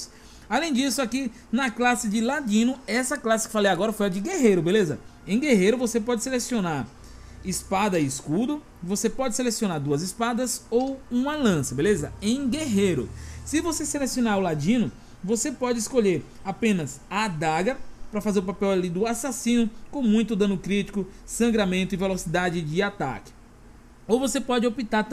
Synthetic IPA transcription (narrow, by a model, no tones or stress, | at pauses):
s | alẽj̃d͡ʒisʊaki | nɐklasɪd͡ʒɪlad͡ʒĩnʊɛsɐklasɪ̥kɪ̥falejaɡɔɾɐfojɐd͡ʒɪɡeɦejɾʊbelezɐẽj̃ɡeɦejɾʊvosepɔd͡ʒɪselesionaɾ | ɪspad̪ɐɪɪskud̪ʊ | vosepɔd͡ʒɪselesiõnaɾd̪uɐzɪspad̪ɐzowũmɐlɐ̃sɐbelezɐẽj̃ɡeɦejɾʊ̰sɪvoseselesionaɾʊlad͡ʒĩnʊ | vosepɔd͡ʒɪiskoʎeɾ | apẽnɐzad̪aɡɐpɾɐfazeɾʊpapɛwalid̪ʊasasĩnʊkõmũj̃t̪ʊd̪ɐ̃nʊkɾit͡ʃi̥kʊsɐ̃ŋɡɾamẽnt̪ʊivelosid̪ad͡ʒɪd͡ʒɪat̪a̰kɪ̥ | owvosepɔd͡ʒɪopit̪aɾ